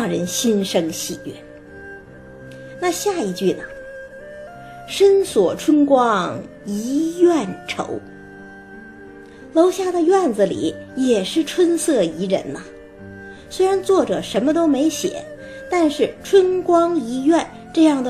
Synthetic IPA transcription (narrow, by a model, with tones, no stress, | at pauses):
ŋɻə˧˥nɕi˥nʂɤ˥ŋɕḭ˨˩ɛ˥˩ | na˥˧ɕja˥˩i˥˩t͡ɕy˥˩nə˩ | ʂə˥nswɔ˨˩ʈ͡ʂʰwə˥nkwɑ˥ŋ | i˧˥jɛ˥˩nʈ͡ʂʰo̰˧˥ʊ | lo˧˥ʊɕja˥˩d̪ə˩ɥɛ˥˩nd͡zə˩lḭ˨˩˦jɛ˨˩ʂɻ̩˥˩ʈ͡ʂʰwə˥nsɤ˥˩i˧˥ɻə̰˧˥nə˧ | swe˥ɪɻa˧˥nt͡swɔ˥˩ʈ͡ʂɤ˨˩ʂə˧˥nmə˧t̪o˥ʊme˧˥ɪɕjɛ̰˨˩˦ | t̪a˥˧nʂɻ̩˥˩ʈ͡ʂʰwə˥nkwɑ˥ŋi˧˥jɥɛ˥˧n | ʈ͡ʂɤ˥˧jɑ˥˩ŋd̪ə˩